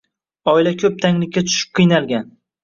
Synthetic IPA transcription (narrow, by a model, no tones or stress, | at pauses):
ɒɪlakʲʰɵp̚t̪ʰaŋlɪkʲʰːat̪ʰʊ̥ʃɪ̥p̚qʰɨjnalɡʲan